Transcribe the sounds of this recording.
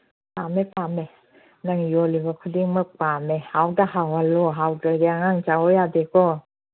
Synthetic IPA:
pʰamepʰame | naŋjɔlibakʰudiŋmapamehawdahawalɔɦawdaɾiaŋaŋt͡ʃawɔjadekɔ

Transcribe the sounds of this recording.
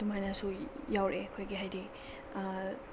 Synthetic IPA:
dumajnasujawɾʔekʰojɡiɦajdi

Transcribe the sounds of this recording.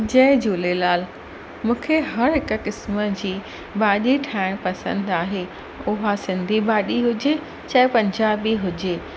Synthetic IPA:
d͡ʑɐːɪd͡ʑuːlelaːl | mũːkʰeɦɐɾɦɪkə̆kɪsməd͡ʑiː | baːɗiʈʰaːɪɽ̃pɐsə̃nd̪aːɦeː | ʊɦasɪ̃nd̪ʱibaːɗiɦʊd͡ʑe | t͡ɕɐɪpɐ̃ɲd͡ʑaːbiɦʊd͡ʑeː

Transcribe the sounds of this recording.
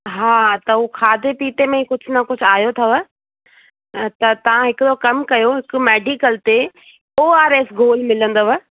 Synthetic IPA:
ɦaːt̪ɐukʰaːd̪ʱepiːt̪emẽĩkʊd͡ʑʱʊnɐkʊd͡ʑʱaːjot̪ʰɐʋə | t̪ɐt̪ɐʋ̤ãɦɪkʊd̪okɐmkɐjoɦɪkʊ̆meːɖikəlt̪e | oːaːɾeːsɡoːlmɪlə̃nd̪oʋɐ

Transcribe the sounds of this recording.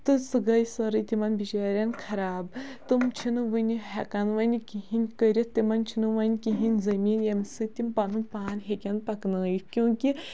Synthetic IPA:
t̪ɨsɨɡɐjsɐɾɨt̪ʲimɐnbit͡ʃaːɾʲɐnkʰɐɾaːbt̪ɨmt͡ʃʰinɨʋɨnʲiɦɛkanʋɐnʲikʲiɦinʲkəɾʲɐt̪imɐnt͡ʃʰinɨʋɐnʲkiɦinʲzɐmiːnjɐmʲsɨt̪ʲimpɐnunpaanʲɦekʲɐnpɐknɨjikʲjõːkʲi

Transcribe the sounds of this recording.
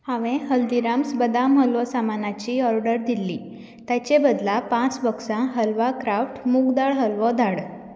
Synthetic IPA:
hãʋẽɦəld̪iɾamsbəd̪amɦəlʋɔsamanat͡ɕiːɔɾɖəɾd̪ilːi | t̪jat͡ɕebəd̪lapãt͡sbəksãɦəlʋakɾafʈmukd̪aɭɦəlʋɔd̪ʱaɽ

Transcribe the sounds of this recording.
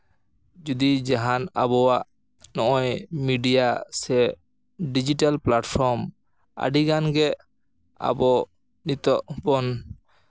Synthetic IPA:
d͡ʒud̪id͡ʒaɦana̰bɔwaʔ | nɔʔɔjmiɖijasɛ | ɖid͡ʒiʈalplaʈpʰɔɾm | a̰ɖiɡanɡɛ | a̰bɔ | nit̪ɔʔbɔn

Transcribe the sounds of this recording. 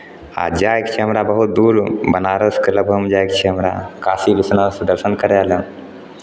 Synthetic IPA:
a̰d͡ʒaːjkt͡ʃʰiɦɐmɾabəɦut̪̚d̪uːɾbənaːɾəskələbʱəmd͡ʒaːjk̚t͡ʃʰiɦɐmɾa̰kʰaːsilisnasd̪əɾʃənkəɾealə

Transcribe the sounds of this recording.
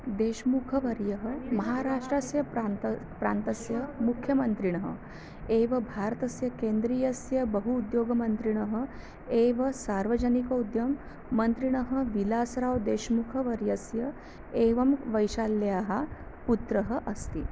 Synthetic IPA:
d̪eːʃmukʰəʋɐɾjəɦəmɐɦaːɾaːʂʈɾɐsjɐ | pɾa̰ːnt̪ɐsjɐmukʰjɐmɐnt̪ɾiɳ̃əɦə̰ | eːʋɐbʱaːɾt̪ɐsjɐkeːnd̪ɾiːjɐsjɐbəɦuːd̪joːɡɐmɐnt̪ɾiɳ̃ɐɦə̆ | eːʋɐsaɾʋəd͡ʑɐnikɐud̪jɐmː | ɐnt̪ɾiɳ̃ɐɦəʋilaːsɾaːʋd̪eːʃmukʰəʋɐɾjɐsjɐ | eːʋɐmʋɐjʃalːjaːɦa | put̪ɾɐɦəʔɐst̪i

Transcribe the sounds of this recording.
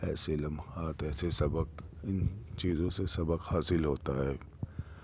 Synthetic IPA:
ɛːselɐ̃mxaːt̪ɛːsesɐbək̚ɪnt͡ʃiːzõsesɐbəkhaːsɪlɦoːt̪aɦɛː

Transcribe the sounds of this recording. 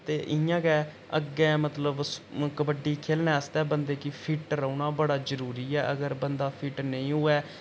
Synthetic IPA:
t̪eːʔɪjãːkɛː | əɡɛ̃ːmət̪ləbskəbəɖiːkʰeːlnɛːəst̪ɛːbənd̪eːkɪpʰiʈɾəuːnaːbəɽaːzəɾuːɾiːɛːʔəɡəɾbənd̪aːpʰɪʈnə̃ĩːɦʊːɛː

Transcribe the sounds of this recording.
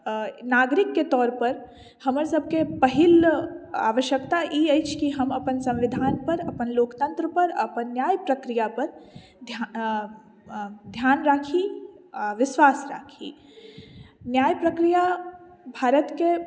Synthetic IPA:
naːɡɾɪkːet̪ɔːɾpəɾ | həməɾsəb̚ʱkepəɦɪla̰ːʋəʃjəkt̪aʔiəjt͡ʃʰkiɦɐmɐpənsɐ̃mʋɪd̪ʱaːnpəɾɐpənloːkt̪ə̃nt̪ɾəpəɾɐ̰pənːjaːjpɾəkɾijapəɾ | d̪ʱ | d̪ʱjaːnɾaːkʰi | ʋɪswaːsɾa̰ːkʰḭ | njaːjpɾəkɾija | bʱaːɾət̪ke

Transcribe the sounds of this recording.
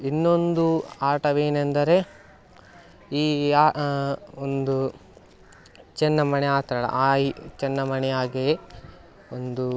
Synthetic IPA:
inːo̞nd̪uaːɾʈɐʋeːnend̪ɐɾe̞ | iːaː | ond̪u | t͡ʃɛnːɐmɐnɛaːt̪ɾɐɭɐ̰ʔaːit͡ʃɛnːɐmɐnɛjaːɡe | ond̪u

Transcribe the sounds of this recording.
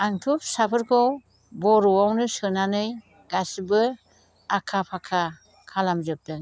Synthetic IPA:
aŋtʰup̚sapʰɯɾkʰɔw | bɔɾɔwawnɯsɯnanɯj | ɡ̥asbɯ | akʰapʰakʰa | kʰalamzɯp̚tɯŋ

